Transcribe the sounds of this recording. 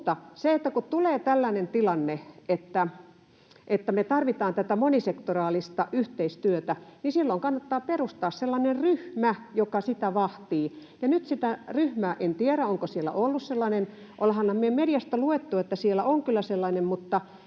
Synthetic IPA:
t̪ɑseet̪ːækutt̪uleːt̪ælːænent̪ilɑnːeet̪ːæ | ʔet̪ːæmet̪ɑrʋit̪ɑːnt̪æt̪æmonisekt̪orɑːlist̪ɑʔyht̪eist̪yøt̪ænisilːoiŋkɑnːɑt̪ːɑːperust̪ɑːsselːɑnerryhmæjokɑsit̪æʋɑht̪iːjɑnyt̪sit̪æryhmæːʔent̪ieɾæoŋkosielːæ̰ʔolːusselːɑnen | ʔolhɑnɑmmiemedijɑst̪ɑluet̪ːuet̪ːæsielːæʔoŋkylːæselːɑnemmut̪ːɑ

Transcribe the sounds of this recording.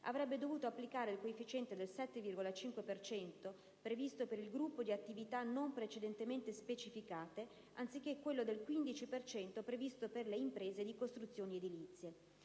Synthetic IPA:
a̰vɾɛbːed̪ovuːt̪oapːlikaːɾeilkoefːit͡ʃɛnt̪ed̪elsɛt̪ːevirɡolat͡ʃiŋkwepert͡ʃɛnt̪o | pɾevist̪opeɾilɡɾupːod̪iat̪ːivit̪anompɾet͡ʃed̪ent̪ement̪espet͡ʃifikaːt̪e | ant̪sik̟ːekːwelːod̪elkwind̪it͡ʃipert͡ʃɛnt̪opɾevist̪operleimpɾeːzed̪ikost̪ɾut̪sːjoːnied̪ilit̪sːje

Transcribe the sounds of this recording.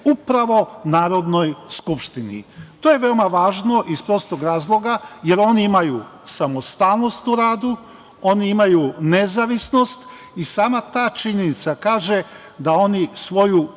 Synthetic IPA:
upɾaʋo̞naːɾo̞d̪no̞jskupʃt̪inḭt̪o̞je̞ʋe̞o̞maʋaːʒno̞ʔispɾo̞st̪oɡɾaːzlˠo̞ɡaje̞ɾo̞niimajusamost̪aːlˠno̞st̪uɾaːd̪u | o̞niimajune̞zaʋisno̞st̪ | isaːmat̪aːt͡ʃiɲenit̪sakaːʒe | d̪ao̞nisʋo̞ju

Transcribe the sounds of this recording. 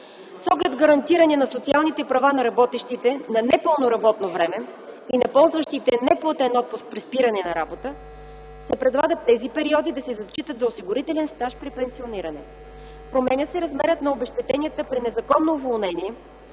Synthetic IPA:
sɔɡlɛd̪ɡɐɾɐnt̪iɾɐnʲinɐsot̪sialˠnit̪ɛpɾɐvanɐɾɐbɔt̪iʃt̪it̪ɛnɐnɛpɤlˠnoɾɐbɔt̪novɾɛmɛinɐpɔlˠzvəʃt̪it̪ɛnɛplˠɐt̪ɛnɔt̪̚pʊsk̚pɾispiɾɐnɛnɐɾabot̪ə | sɛpɾɛd̪lˠaɡət̪t̪ːɛzipɛɾiɔd̪id̪ɐsɛzɐt͡ʃːit̪ət̪zɐosiɡʊɾit̪ɛlɛnst̪aʃpɾipɛnsioniɾɐnɛ | pɾomɛnʲəsɛɾɐzmɛɾət̪nɐobɛʃt̪ɛt̪ɛnijət̪əpɾinɛzɐkɔnːovolˠnɛniɛ

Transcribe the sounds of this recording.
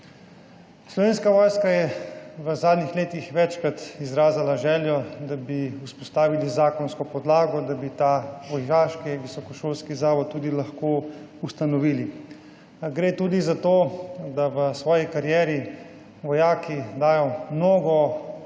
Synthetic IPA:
slɔʋeːnskaʋɔːjskajɛʋəzaːd̪nixleːt̪ixʋɛt͡ʃkɾat̪izɾaːzalaʒɛːljɔd̪abiuspɔst̪aːʋilizaːkɔnskɔpɔd̪laːɡɔd̪abit̪aʋɔjaːʃkiʋisɔkɔʃoːlskizaːʋɔt̪̚t̪ːuːd̪ilaxkoː | ust̪anɔʋiːli | ɡɾeːt̪uːd̪izat̪oːd̪aʋəsʋɔːjikaɾjɛːɾi | ʋɔjaːkid̪aːjɔmnoːɡɔ

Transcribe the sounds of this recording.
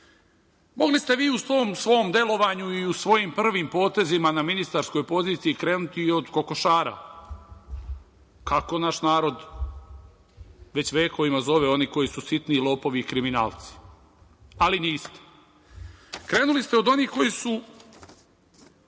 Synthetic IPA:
mo̞ɡlist̪e̞ʋiːusʋo̞ːmsʋo̞md̪e̞lo̞ʋaɲuiusʋo̞jimpr̩ʋimpo̞ːt̪e̞zimanaminist̪aɾsko̞jpo̞ziːt̪sijikɾe̞ːnut̪iːo̞d̪ko̞ko̞ʃaːɾa̰ | kako̞naʃnaːɾo̞d̪ | ʋe̞t͡ɕʋe̞ːko̞ʋimazo̞ʋe̞o̞niko̞jisusit̪nilˠo̞ːpo̞ʋiːkɾiminaːlt̪si̥ | aliniːst̪e̥ | kɾe̞ːnulist̪eo̞d̪o̞niːko̞jisu

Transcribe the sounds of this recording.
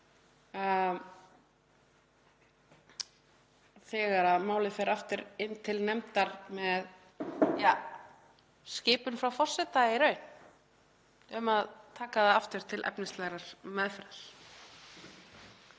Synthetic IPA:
θɛɣaɾaðmaːwlɪðfɛɾaft̪ɪɾɪnːt̪ʰɪlnɛmt̪aɾ̥mɛð | ja | scɪːpʏnfɾawfɔr̥sɛt̪aɪɾœːɥn | ʏmaðt̪ʰaːkaðaaft̪ɪɾ̥t̪ʰɪlʔɛ̰pnɪst̪lɛɣɾaɾ̥mɛðfɾal̥

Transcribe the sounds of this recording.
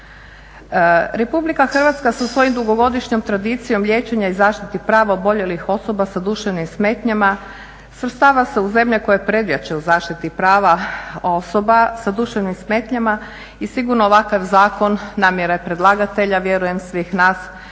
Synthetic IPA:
ɾe̞publikaxr̩ʋat̪skasasʋo̞jimd̪uɡo̞ɡo̞d̪iʃɲo̞mt̪ɾad̪iːt̪sijo̞mlʲʎʲje̞ːt͡ʃe̞ɲaizaːʃt̪it̪ipɾaːʋaobo̞ʎe̞lixo̞so̞basad̪uʃeʋnimsme̞ːt̪ɲama | sʋɾst̪aːʋase̞uze̞mʎeko̞jepɾe̞d̪jat͡ʃeuzaːʃt̪it̪ipɾaːʋaosobasad̪uʃeʋnimsmeːt̪ɲama | isiɡuɾnoːʋakaʋzaːko̞nːaːmjeɾajepɾe̞d̪lˠaɡat̪e̞ʎaʋje̞ɾuje̞msʋiːxnaːs

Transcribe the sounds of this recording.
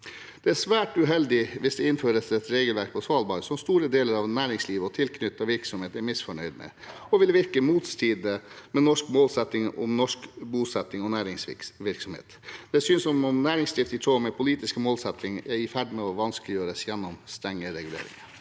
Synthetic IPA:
d̪̥ɛæʂʋæːʈʉɦɛld̪ɪʋɪsd̪ɛɪnføːɾəsɛt̪ɾeːɡəlʋæɾk̚pʰɔsʋɑːlbɑːɾəsɔmst̪uːɾəd̪eːləɾɑʋnæːɾɪŋsliːʋəɔt̪ʰɪlkʰnʏt̪ːɑʋɪɾksɔmheːt̪ɛɾmɪsfɔɳœʏd̪mɛ̰ | ɔʋɪlʋɪɾkəmuːt̪st̪ʰiːd̪əmɛnɔʂkmoːlsɛt̪ːɪŋɔ̰mnɔʂkbuːsɛt̪ːɪŋɔnæːɾɪŋsʋɪɾksɔmhḛːt̪d̪̥ɛsyːnsɔmɔmnæːɾɪŋst̪ɪft̪ɪt̪ʰɾoːmɛpʰʊliːt̪ɪskmoːlsɛt̪ːɪŋɛɾɪfæɖmɛɔʋɑnskəlɪjøːɾəsjɛnːɔmst̪ɾɛŋːəɾɛɡʉlḛːɾɪ̰ŋə

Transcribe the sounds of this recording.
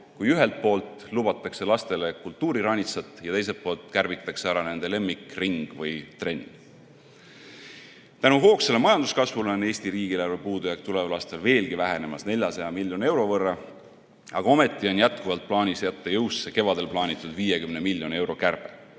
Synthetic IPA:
kujyɦe̞lt̪̚po̞ːlt̪ˑlub̥ɑt̪ːˑɑkse̞lɑst̪e̞le̞kult̪ːuːɾiɾɑnʲisɑt̪ːˑjɑt̪e̞js̬e̞lt̪po̞ːlt̪ˑkærvit̪ːˑɑkse̞æɾɑne̞nd̪ele̞mːikriŋɡ̥vɯjt̪re̞nʲːḭŋ̥ | t̪ænuɦo̞ːkse̞lemɑjɑnd̪̥uskɑsvuleoneːsʲt̪iɾiːɡilærvepuːd̪ujɑk̚t̪ule̞vlɑst̪e̞lve̞ːlɡ̥ivæɦe̞ne̞mɑsne̞lʲjɑsɑjɑmilʲjo̞ne̞wɾo̞vɤrːɑ | ɑɡ̥ɑo̞me̞t̪ˑːio̞njæt̪kuvɑlt̪̚plɑːnʲisjæt̪ːɑjɤwsːe̞ke̞vɑd̪̥e̞lplɑːnʲit̪ːˑud̪viːjekymnemilʲjo̞ne̞wɾo̞kærb̥e

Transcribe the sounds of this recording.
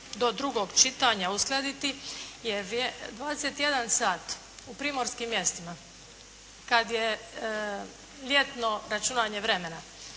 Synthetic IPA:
d̪o̞d̪ɾuɡo̞ɡt͡ʃit̪aɲausklˠed̪it̪ijeʋɾed̪ʋaːd̪eset̪ije̞d̪ansaːt̪ | upɾiːmo̞ɾskimːje̞st̪ima | kad̪je | ʎʲe̞t̪no̞ɾat͡ʃunaːɲe̞ʋɾe̞mena

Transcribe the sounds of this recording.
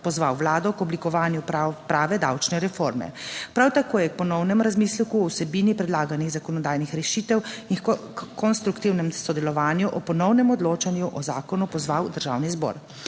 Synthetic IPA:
pɔzʋawːlaːd̪ɔkɔblikɔʋaːnjupɾaːʋɛd̪a̰wt͡ʃnɛɾɛfoɾmɛ̰pɾawt̪akoːjɛk̚pɔnɔwnɛmɾazmiːslɛkuɔwsɛbiːnipɾɛd̪laːɡaniɣzakɔnɔd̪aːjnixɾɛʃiːt̪ɛwikɔnst̪ɾukt̪iwnɛmsɔd̪ɛlɔʋaːnjuʔɔpɔnɔwnɛmɔd̪loːt͡ʃanjuʔɔzaːkɔnupɔzʋawd̪əɾʒa̰ːwnizbɔ̰ːɾ

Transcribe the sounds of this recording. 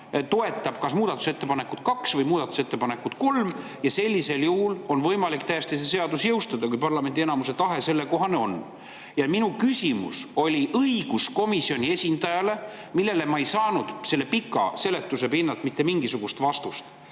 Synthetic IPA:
t̪o̞e̞t̪ˑːɑb̥kɑsmuːd̪ɑt̪ːˑu̥se̞t̪ːˑe̞pɑne̞kut̪kɑksvɤjmuːd̪ɑt̪ːˑu̥se̞t̪ːe̞pɑne̞kːˑut̪ko̞lm | jɑse̞lʲːise̞ljuhulo̞nvɤ̞jmɑlikt̪æjst̪iseseɑd̪usjɤwst̪ɑd̪ɑkujpɑrlɑme̞nd̪ienɑmuse̞t̪ɑɦe̞se̞lːe̞ko̞ɦɑneo̞nː | jɑminukysʲimṵso̞lʲiʔɤiɡ̥usko̞misio̞nʲie̞sʲind̪̥ɑjɑle̞ | milːe̞lemɑejsɑːnud̪̥se̞lːe̞pikːˑɑ̰se̞le̞t̪ːˑuse̞pinːɑlt̪mit̪ːe̞miŋɡ̥isuɡ̥ust̪vɑst̪ust̪

